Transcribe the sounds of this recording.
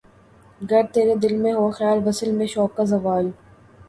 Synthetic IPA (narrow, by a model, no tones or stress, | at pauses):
ɡɐɾt̪eːɾed̪ɪlmẽɦoaxɐjaːlʋɐsəlmẽʃɔːkːazɐʋaːl